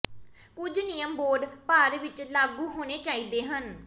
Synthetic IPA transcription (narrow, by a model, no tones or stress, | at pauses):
kʊd͡ʒnijəmboːɾɖpaːɾʋɪt͡ʃlaːɡuːɦoːneːt͡ʃaːiːd̪eːɦən